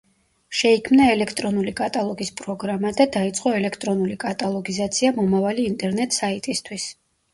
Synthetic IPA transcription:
ʃɛikʰmnaɛlɛkʰt̪ʼɾɔnulikʼat̪ʼalˠɔɡispʼɾɔɡɾamad̪ad̪ait̪sʼqʼɔɛlɛkʰt̪ʼɾɔnulikʼat̪ʼalˠɔɡizat̪sʰiamɔmavaliːnt̪ʼɛɾnɛt̪ʼsait̪ʼist̪ʰwis

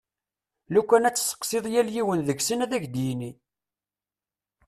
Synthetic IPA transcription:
lukʷːænæt͡sːsə̥qːseðˤjæljiwənðəɡsənæðæʝd̪jni

